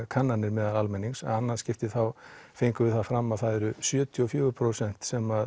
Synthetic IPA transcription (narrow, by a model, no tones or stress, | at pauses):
kʰanːanːɪɾmɛːðalalmɛnːiŋksa̰anːascɪft̪ɪθawfejŋkʏvɪðθafɾamːaðθaðɛɾʏsjœːt̪ʰiɔfjʏːɣʏɾpʰɾowsɛn̥t̪sɛmað